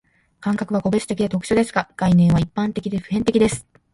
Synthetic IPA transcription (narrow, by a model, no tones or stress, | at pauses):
kãŋkakɯ̟βako̞be̞t͡sɨ̥t̪e̞kʲid̪et̪o̞kɯ̥ɕod̪e̞sɨ̥ɡkaɡ̥ainẽ̞ɰ̃β̞aipːãnt̪e̞kʲid̪e̞ɸɯ̟ɦẽ̞nt̪e̞kʲid̪e̞sɨ̥